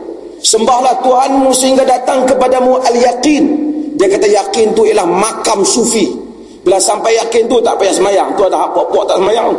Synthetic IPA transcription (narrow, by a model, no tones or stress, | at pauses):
səmbahlaht̪uɦanmusəɦiŋɡadat̪aŋkəpadamuʔaljaqindiakat̪ajaqɪnt̪uijalahmakamsufi | bəlansampajjakɪnt̪ut̪a̰ʔpajaʔsəmajaŋt̪uant̪aɦaʔpɔʔpɔʔt̪aʔsəmajaŋ